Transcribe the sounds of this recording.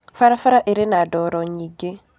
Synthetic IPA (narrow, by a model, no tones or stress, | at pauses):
faɾafaɾaʔeɾenadɔɾɔɲiɡe